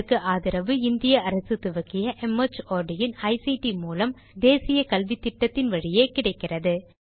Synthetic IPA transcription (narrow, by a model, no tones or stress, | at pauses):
ɯkːɯʔaːðɪɾɐʋɯɪnd̪ɪjɐɐɾɐsɯt̪ʊʋɐkːɪjɐʔɛmɐt͡ʃoːɾɖɪjɪnɐɪsiʈimuːlɐm | d̪eːsɪjɐkɐlʋit̪ːɪʈːɐt̪ːɪnʋɐɻɪjeːkɪɽɐɪkːɪrɐðɯ